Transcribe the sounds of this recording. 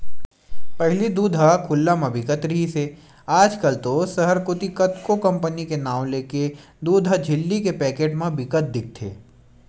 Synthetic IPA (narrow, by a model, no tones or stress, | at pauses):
pɐɦlid̪uːd̪ʱakʰʊlːamẽbɪkət̪ɾɪɦise | aːd͡ʒkəlt̪osɐɦəɾkʊt̪ikət̪kokɐ̃mpənikenaːw̃leːke | d̪uːd̪ʱɦad͡ʒʱɪlːikepɛːkeːʈmẽbɪkət̪̚d̪ɪk̚ʰt̪ʰḛː